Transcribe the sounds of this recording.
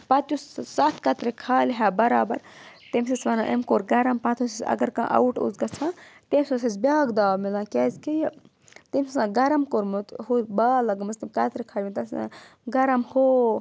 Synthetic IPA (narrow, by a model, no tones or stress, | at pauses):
pɐt̪ussat̪ʰkɐt̪ɾekʰaːlʲɦaːbɐɾaːbɐɾ | t̪emsisʋɐna̰ʔemkoːɾɡɐɾɐmpɐt̪ʰosisɐ̰ɡɐɾkã̰ːʔɐ̰wʈo̰zɡɐt͡sʰãːt̪emʲsosisbʲaːɡd̪aːmilãːkʲeːzkijɐ | t̪emssãːɡɐɾɐmkoɾmut̪hubaːlɐɡɐmɐst̪imʲkɐt̪ɾekʰaːlʲmit̪ɐsã̰ɡɐɾɐmhoː